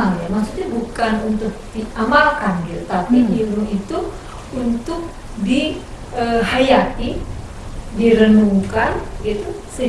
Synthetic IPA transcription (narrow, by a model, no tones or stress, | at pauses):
ŋjamak̚sut̪ɲabukanunt̪ʊk̚diʔamalkanɡit̪ut̪apiiɾuit̪u | unt̪ʊk̚ | di | əɦajat̪i | diɾənuŋkanɡit̪usə